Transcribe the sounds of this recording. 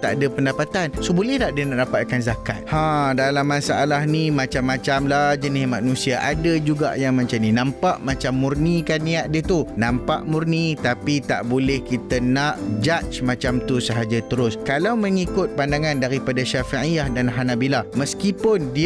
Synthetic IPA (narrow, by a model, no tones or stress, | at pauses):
t̪a̰ʔadapəndapat̪ansobolɛht̪aʔdənaʔdapat̪̚kanzaka̰t̪̚hãdalamːãsaʔalahnimãt͡ʃamːãt͡ʃamlahd͡ʒənɪhmãnũsiaʔadad͡ʒuɡa̰ʔjaŋmat͡ʃamnĩnãmpaʔmat͡ʃamːurnikanːiaʔ̚dət̪unãmpa̰ʔmurnit̪apit̪a̰ʔbolɛhkit̪ənaʔd͡ʒat͡ʃmãt͡ʃamt̪usəɦad͡ʒat̪əɾʊskalawməŋikʊt̪̚pandaŋãndaɾipadaʃafiijahdanɦanabilahməskipʊndi